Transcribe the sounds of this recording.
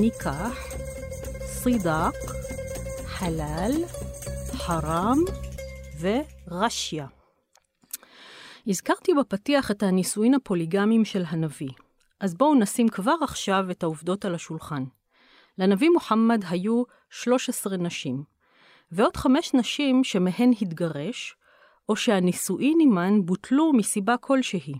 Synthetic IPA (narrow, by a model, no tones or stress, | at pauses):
nikʰaħ | sidak | ħalal | ħaʁam | ve̞ʁaʃja | izkaʁtibepatiaχe̞thanisuimhapo̞liɡamimʃe̞lɦanavi | ʔazbo̞unasimkvaʁaχʃave̞thauvdo̞talhaʃulχan | lenavimoħamːadɦaju | ʃlo̞ʃesʁenaʃim | veo̞d̥χameʃnaʃimʃe̞meɦe̞nɦitɡaʁe̞ʃ | ʔo̞ʃehanisuʔinimanbutʰlumisibakʰo̞lʃeɦi